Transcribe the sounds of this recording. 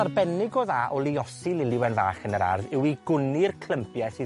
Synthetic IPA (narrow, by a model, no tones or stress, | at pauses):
arbɛnɪɡɔðaːʔɔlˠiɔsilˠɪlˠɪwɛnva̰ːχənəɾa̰rðɪwiɡ̥ʊnɪrkʰlˠəmpʰjɛsi